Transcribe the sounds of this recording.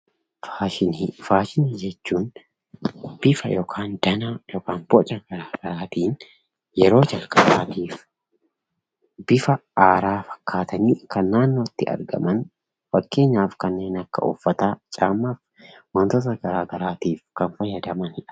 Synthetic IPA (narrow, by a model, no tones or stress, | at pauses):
faːʃɪnfaːʃɪnɪd͡ʒɛt͡ʃːuːn | b̥ɪfɐ̰jɔkʰaːnd̪̥ɐnajɔkaːnbɔt͡ʃʼɐɡ̥ɐɾaːɡ̥ɐɾaːt̪iːn | jɛɾo̞ːd͡ʒɐlkʼɐbaːt̪iːf | bɪfɐaːɾaːfɐ̥kːaːt̪ɐniːkɐnːaːnːoːɪt̪ːɪɐ̰ɾɡɐ̰mɐn | fɐkːe̞ːɲːaːfkɐnːe̞ːnɐkːɐ̰ɔ̰fːɐt̪aːt͡ʃʼaːmːaːf | mɐnt̪ɔt̪ɐɡɐɾaːɡɐɾaːt̪iːfkɐnfɐjɐd̪ɐmɐnhɪᶑɐ̥